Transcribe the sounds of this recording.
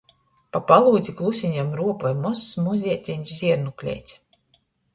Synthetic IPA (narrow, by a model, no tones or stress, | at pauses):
papalˠuːd̪zʲiklˠusʲiɲamɾuɔpɔjmɔsːmuzʲiɛt̪ʲinʲzʲiɛɾnuklʲɛ̰ːjt̪sʲ